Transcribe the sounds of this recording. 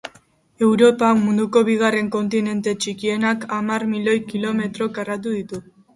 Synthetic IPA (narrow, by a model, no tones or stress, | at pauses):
e̞wɾo̞pakmund̪uko̞βiɣ̞are̞ŋko̞nt̪ine̞nt̪e̞t͡ʃikie̞nakamarmilo̞jkilo̞me̞t̪ɾo̞karat̪uðit̪u